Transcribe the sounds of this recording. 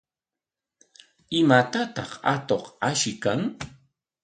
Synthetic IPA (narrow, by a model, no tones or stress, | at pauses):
ɪmat̪at̪ɑχa̰t̪oχaʃɪkaŋ